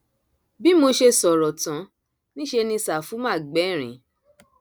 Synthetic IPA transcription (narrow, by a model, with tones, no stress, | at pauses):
bi˦mo˧ʃe˧sɔ˨ɾɔ˨tã˨˦ | nĩ˦ʃe˧nĩ˧sa˨fu˨˦mã˦˨ɡ͡bɛ˨˦˨ɾ̃ĩ˨